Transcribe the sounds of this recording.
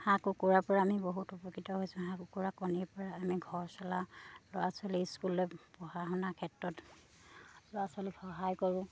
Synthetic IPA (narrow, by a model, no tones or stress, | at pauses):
hãkukuɹapɔɹaːmiboɦutupɔkɹitɔɦojsʊ̃ɦãkukuɹakɔniɹpɔɹaːmiɡʱɔɹsɔlalɔwasɔliskulojpɔhaɦɔnakʰɛtɹɔt | lɔasɔlixɔɦajkoɹʊ̃